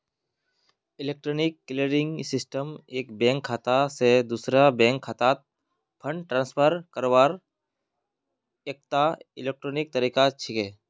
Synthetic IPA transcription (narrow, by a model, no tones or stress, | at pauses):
ɪleːk̚ʈɾoːnɪkːɪləɾɪ̃ŋɡsɪsʈəmeːkbẽːŋkʰːaːt̪ased̪uːsɾabẽːŋkʰːat̪aːt̪̚ | pʰəɳʈɾãːnspʰəɾkəɾwaːɾ | eːk̚t̪aɪleːk̚ʈɾoːnɪk̚t̪əɾiːkat͡ʃʰɪkeː